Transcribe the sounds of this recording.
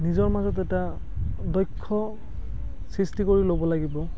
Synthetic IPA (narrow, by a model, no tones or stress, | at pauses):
nizɔɹmazɔtɛta | dɔjkʰːɔ | sɹistikoɹilobɔlaɡibɔ